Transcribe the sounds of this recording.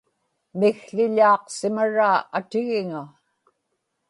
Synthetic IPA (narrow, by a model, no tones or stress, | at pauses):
mɪɣɬɪʎɑːqsɪmaɻaːʔat̪ɪɣɪŋa